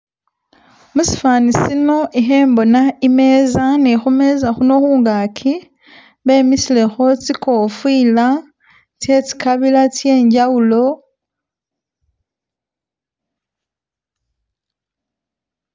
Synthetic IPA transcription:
musi̥faːnisino̞ʔiɦe̞ːmbo̞naime̞ːzanexume̞zaxuno̞xuːŋɡaːkʰi | βe̞ːmisile̞xo̞t͡siko̞fwiːla | te̞t͡si̥kaβilatje̞ːɲɟawulo̞

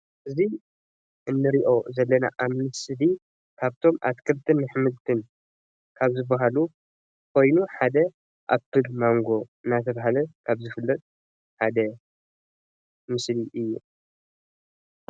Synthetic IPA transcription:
ʔɨzi | ʔɨnːɨɾiʔo̞zɐlːɐna̰ʔamnɨsli | kʰaβt̪ʰo̞ma̰t̪kʰɨlt̪ʰɨnːɨħmɨlt̪ʰɨn | kʰaβzɨbːaɦalu | kʰo̞jnuħad̪ɐ | ʔa̰βt̪ɨlmaŋɡo̞ɨnːat̪ʰɐβaɦalɐkʰaβzɨfɨlːɐt̪ʼ | ħad̪ɐ | mɨsliʔɨjːṵ

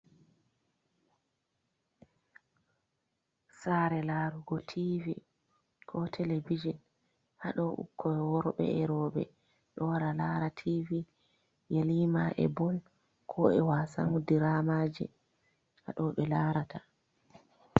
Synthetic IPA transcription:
saɾɛlaːɾuɡɔtʰivi | kʰɔtʰɛlebid͡ʒin | haɗɔʔṵkʰːɔɛwɔɾɓɛ̰ɛɾɔɓɛ̰ | ɗɔwaɾalaːɾatʰivi | jaliːmaʔɛ̰bɔl | kʰɔɛ̰wasa̰nudiɾamaːd͡ʒɛ̰ | ha̰ɗɔɓɛlaːɾata

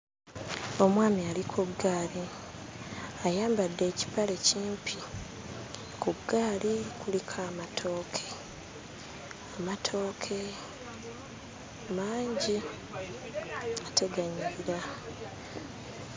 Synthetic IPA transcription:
o̞mwaːmialikʰuɡːaːli | ajaːmbadːe̞ːci̥pale̞ciːmpʰi | kuɡːaːlikulikʰaːmatʰo̞ːkʰe̞ | amatʰo̞ːkʰe̞ | maːɲɟi | atʰe̞ɡaɲiɾa

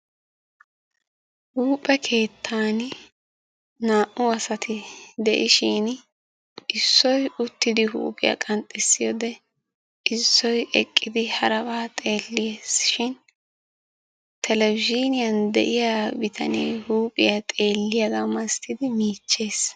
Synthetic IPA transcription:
huːpʼːɛkʰe̞ːt̪ʰːaːn | naːʔʊɐsɐt̪ʰɪd̪ɛʔɪʃiːn | ɪsːɔjʊt̪ːɪd̪ɪɦṵːpʼɪjɐ̰kʼɐnt̪ʼːɛsːɪjɔd̪ɛ | ʔɪsːɔjɛkʼːɪd̪ɪhɐɾɐbaːt̪ʼe̞ːlːɪjeːsʃɪn | t̪ʰɛlɛbɪd͡ʒinɪjɐnd̪ɛ̰ʔɪjabɪt̪ʰɐ̰neːhuːpʼɪjaɐt̪ʼe̞ːlːɪjɐɡamɐst̪ʰɪd̪ɪmiːt͡ʃːe̞ːs

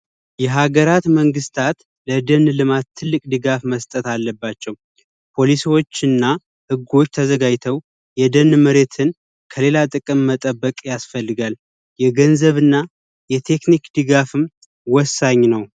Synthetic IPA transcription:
jɛɦaɡəɾat̪məŋɡɨst̪ʰat̪ | ləd̪ənlɨmat̪ʰːɨlːɨkʼd̪ɨɡafməst̪ʼət̪alːəbːat͡ʃːɛw | pʰo̞lisiwo̞t͡ʃːɨnːa | hɨɡo̞t͡ʃːt̪ʰəzəɡajt̪ʰəw | jɛd̪ənːməɾe̞t̪ʰɨn | kʰəle̞lat̪ʼɨkʼɨmːət̪ʼəbːəkʼjasfəlːɨɡal | jɛɡənzəβɨnːa | jɛt̪ʰe̞knikd̪ɨɡafɨm | wɔsːaɲːnəw

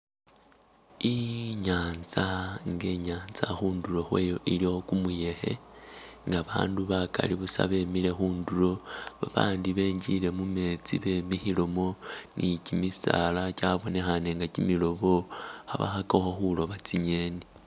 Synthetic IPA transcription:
iɲaːnzaŋɡe̞ɲaːnzaxuːndulo̞xwe̞ːjo̞ʔiliokumuje̞xe̞̰ | ŋɡaβa̰ːnduβaka̰liβusa̰βe̞mile̞xuːndulo̞βaβa̰ːndiβe̞ːɲd͡ʒile̞mume̞t͡siβemixilo̞mo̞nʔicimisa̰lacaβo̞ne̞xane̞ŋɡacimilo̞βo̞xa̰βa̰xakoxoxulo̞βat͡siɲe̞ːni

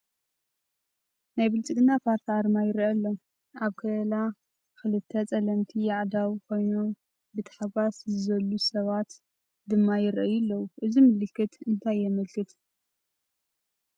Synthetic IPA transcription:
najbɨlt͡sʼɨkʼɨnːapʰaɾt̪ʰaɾmajɪɾɐlːo | ʔaβkʰɐlɐla | xɨlɨt̪ʰːɐt͡sʼɐlɐmt̪ʰijaʕd̪awkʰo̞jno̞m | bɨt̪ʰḁħaɡaszɨzɐlːusɐβat̪ | d̪ɨmːajɪɾʔɐjɨlːɐwuʔɨzimɨlɨkːɨt̪ɨnt̪ʰajːɛmɐlkʰɨt̪

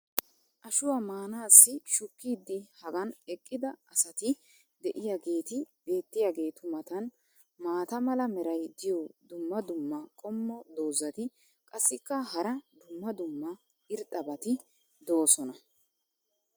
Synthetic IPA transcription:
ʔɐʃʊwamaːnaːsːɪʃʊkːiːd̪ːɪhɐɡɐnɛkʼːɪd̪ɐɐsɐt̪ɪ | d̪ɛʔɪjaːɡe̞ːt̪ɪb̥e̞ːt̪ːɪjaːɡe̞ːt̪ʊmɐt̪ɐn | maːt̪ɐmɐlɐmɛɾɐjd̪ɪjɔd̪ʊmːɐd̪ʊmːɐkʼɔmːɔd̪o̞ːzɐt̪ɪ | kʼɐsːɪkːɐɦɐɾɐd̪ʊmːɐd̪ʊmːɐ | ɪɾt̪ʼːɐbɐt̪ɪ | d̪o̞ːsɔnɐ

